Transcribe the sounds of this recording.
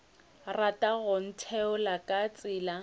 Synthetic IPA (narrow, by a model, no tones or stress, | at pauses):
ratʼaɣʊn̩tʰɛʊlakʼat͡sʼɪːla